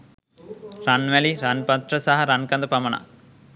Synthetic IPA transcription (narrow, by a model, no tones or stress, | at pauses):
ɾaːnʋɛliɾaːnpɐt̪ɾɐsɐɦɐɾankɐnd̪ɐpɐmɐɳa̰